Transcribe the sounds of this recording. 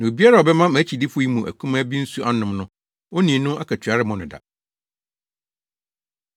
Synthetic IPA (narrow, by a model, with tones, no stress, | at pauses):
nã˨o˨bi˦a˦ɾa˨ɔ˨bɛ˦mã˦mæ̃˨˦t͡ɕʰi˨dɪ˦fʊ˦i˦mũ˨ʔæ̰˨kʰũ˦mã˦bi˦n̩˦su˦ʔa˦nʊ̃˨mnʊ̃˦ | wo˦nĩ˨˦nʊ̃˦ʔa˦kʰæ˨t͡ɕʰɥa˨˦ɾɪ˦mɔ̃˨nʊ̃˨da̰˨